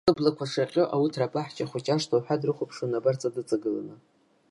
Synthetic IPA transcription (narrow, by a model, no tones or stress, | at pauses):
ɨblakʷʰaʂaqʲʼoʔautʰrapʼaħt͡ʃʼaχʷʊt͡ʃʲʼaʂtʰaħʷᶣadrɨχʷʊpʰʂanabart͡sʼadɨt͡sʼaɡɨla̰nɨ